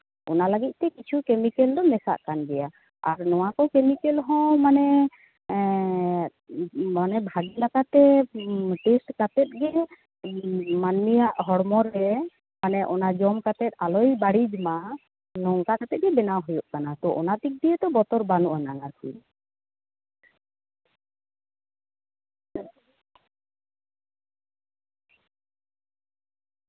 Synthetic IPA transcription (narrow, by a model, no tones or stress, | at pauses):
ɔ̰nalaɡit̪̚ˀt̪ɛkit͡ʃʰukemikɛld̪ɔmɛsa̰ʔkanɡɛja | a̰ɾnɔw̃akɔkemikɛlɦɔ̃manɛ | manɛbʱaɡilakat̪ɛ | ʈesʈkat̪ɛt̪̚ˀɡɛ | manmijaʔɦɔɽmɔɾɦɛ | manɛʔɔnad͡ʒɔmkat̪ɛt̪̚ˀalɔjbaɽid͡ʒma | lɔŋkakat̪ɛt̪̚ɡɛbɛnaɦujoʔkanat̪ɔʔɔ̰nat̪ik̚d̪ijet̪ɔbɔt̪ɔɾbanuʔananaɾkʰṵ